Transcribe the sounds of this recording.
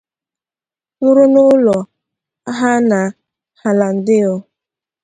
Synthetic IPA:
nʊ˦ɾʊ˦nʊ˦lɔ˨ | a˦ɦa˦na˨ | ha˨la˨n̩˨dɪ˦ɔ˦

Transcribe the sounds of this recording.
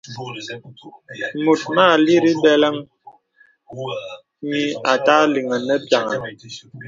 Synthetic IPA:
mu˨t̚maː˦˨li˦ɾi˦bɛ˦lə˦ŋ | ɲi˦a˨ta˦li˨ŋə˨nə˦ta˨ŋə˨

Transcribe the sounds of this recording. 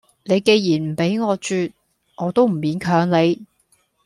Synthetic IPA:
ne˨˧jke˨˧jjiː˨˩nm̩˨˩pe˨˥jŋɔː˨˧t͡ʃyː˧t̚ | ŋɔː˨˧t̪o˥wm̩˨˩miː˨˥nkʰœː˨˧˥ŋle˨˧j

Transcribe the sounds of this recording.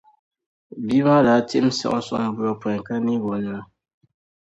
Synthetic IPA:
bi˦βa˦ɾa˨˦tḭ˦m˦sɛ̰˨ʔɔ˦sɔ̰˨ŋ˦bu˦ɔ˨pwɛ˨ŋ˨ka˦ni˦bɔ˨n˨a˦

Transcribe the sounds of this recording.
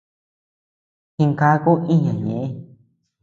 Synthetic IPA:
hĩ˧ŋka˧˦ku˦ʔĩ˦ɲã˨ɲḛ̃˨ẽ˦

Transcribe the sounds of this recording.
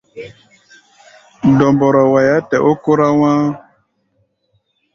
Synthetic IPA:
n˨dɔ˨mbɔ˨ɾɔ˨wa˨ja˦tɛ˨ʔo˦ko˦ɾa˦wãː˦

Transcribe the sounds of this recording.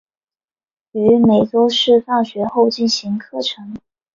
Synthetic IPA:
y˧˥me˨˩ɪt͡so˥ʊʂɻ̩˥˧fɑ˥˩ŋɕɥɛ˧˥xo˥˧ʊt͡ɕi˥˩nɕi˧˥ŋkʰɤ˥˩ʈ͡ʂʰɤ˧˥ŋ

